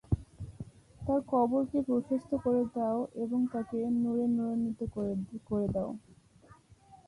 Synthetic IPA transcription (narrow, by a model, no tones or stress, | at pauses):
t̪aɾkʰɔboɾkepɾoʃest̪ʰokoɾed̪ɛoʔeboŋt̪akenuɾenuɾonːit̪okkoɾed̪ɛo